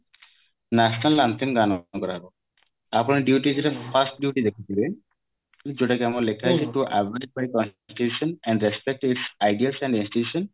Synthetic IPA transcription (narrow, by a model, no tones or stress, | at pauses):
nasnalːant̪ʰiŋɡanɔkɔɾaɾo | apɔniɖjuʈid͡ʒeʈapʰasʈ̚ɖjuʈid̪ekʰit̪ile | d͡ʒoʈakɛamɔlekʰaɦsiʈuʔabal̚bajkɔ̃nsʈitusɔnɛ̃ɳɖɾɛspɛk̚ʈisajɖialsɛ̃ɳɖĩnsʈitusɔn